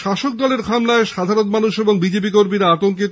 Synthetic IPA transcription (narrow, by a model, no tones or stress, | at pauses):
ʃaʃok̚d̪ɔleɾkʰamlaeʃad̪ʱaɾonmanuʃeboŋbid͡ʑep̬ikoɾmiɾaat̪oŋkit̪